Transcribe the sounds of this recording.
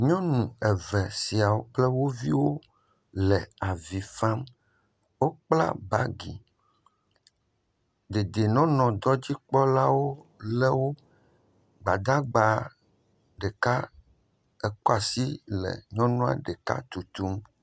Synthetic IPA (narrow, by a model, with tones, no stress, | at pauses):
ɲɔ̃˦nũ˨ɛ˨vɛ˨si˨a˨wo˦k͡plɛ˦wo˦vi˦wo˦ | lɛ˨a˨vi˨fa˦m | wo˦k͡pla̰˦ba˦ɡḭ˨ | d̪e˨d̪e˨nɔ̃˦nɔ̃˨d̪ɔ˦d͡ʑi˦k͡pɔ˦la˦wo˦lɛ˦wo˦ | ɡ͡ba˨d̪a˦ɡ͡ba˨ | ɖɛ˨ka˦ | ɛ˨kɔ˦a˨si˦lɛ̰˨ɲɔ̃˦nɔ̃˦a̰˨ɖɛ˨ka̰˦t̪u˨t̪u˦m